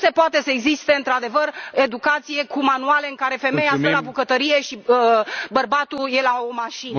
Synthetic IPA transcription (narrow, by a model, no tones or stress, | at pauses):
se̞poat̪e̞səeɡzist̪e̞ɨnt̪ɾad̪e̞vəre̞d̪ukat̪sije̞kumanuale̞ɨŋkaɾe̞fe̞me̞jasəlabukət̪əɾije̞ʃi | bərbat̪uje̞laomaʃin